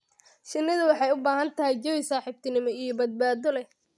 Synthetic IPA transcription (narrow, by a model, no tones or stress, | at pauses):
ʃɪnːɪðʊwɑħɑjʊbaːɦɐnt̪ʰɐɦɛjd͡ʒɔwɪsaːħɪb̚t̪ʰɪnɪmɔijɔbɐd̪̚baːd̪ɔlɛ